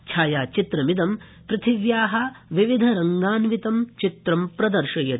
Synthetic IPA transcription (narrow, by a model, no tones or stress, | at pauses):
kʰaːjaːt͡ʃit̪ɾɐmid̪ɐm | pɾɐt̪ʰiʋjaːɦɐʋiʋid̪ʱɐɾɐŋɡaːnʋit̪ɐmt͡ʃit̪ɾɐmpɾɐd̪ɐɾʃɐjɐ